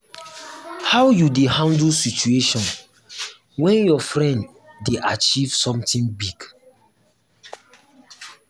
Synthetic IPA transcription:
hawjudehãndlsit͡ʃueʃɔ̃n | wɛ̃njɔfɹɛ̃nd | deʔat͡ʃiv̥sɔ̃mtĩŋbiɡ

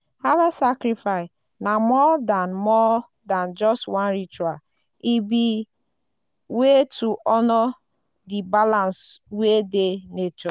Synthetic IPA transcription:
halasakɾifaɪ | namɔdanmɔ | dand͡ʒɔstwãnɾit͡ʃa | ibi | wetuʔɔnɔ | dibalanswedenet͡ʃɔ

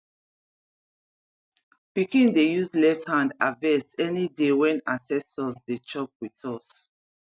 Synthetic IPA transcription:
pikĩndejuslɛfthãndavɛsɛnidewɛ̃nasɛsɔsdet͡ʃɔp̚witɔs

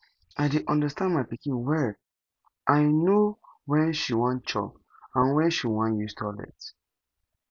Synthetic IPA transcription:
aɪdeʔɔ̃ndəstãnmaɪpikĩnwɛ | ʔaɪnowɛ̃nʃiwɔ̃nt͡ʃɔ̰p | ãnwɛ̃nʃiwãnjustʰɔlɛ̰t

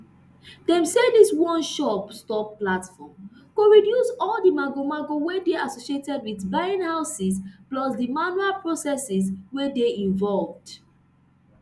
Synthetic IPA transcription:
dɛ̃msediswɔ̃nʃɔpstɔpːlatfɔm | koɹidjusɔldimaɡomaɡowedeasoʃietɛdwiθbaɪ̃nhaʊsisplɔsdimanualpɹosɛsiswedeĩɱvɔlvd

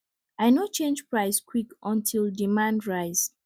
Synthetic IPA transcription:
aɪnot͡ʃẽnd͡ʒpɹaɪskʰwikʔɔ̃ntʰildimãndɹaɪz

